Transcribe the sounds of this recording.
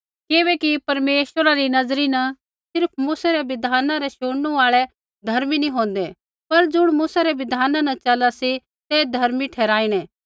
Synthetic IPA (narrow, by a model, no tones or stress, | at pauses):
kɪβɛkipɐɾmeːʃwəɾaɾinɐzɾinɐ | sɪɾpʰmuːsaɾɛʋɪd̪ʱaːnãɾɛʃoɽnuaːɭɛ | d̪ʱɐɾminĩɦõːnd̪ɛ | pɐɾd͡zʊɽ̃muːsaɾɛʋɪd̪ʱaːnanɐ̃t͡ʃɐlasi | t̪ed̪ʱɐɾmiʈʰɛːɾaːiɽ̃ɛ̃ː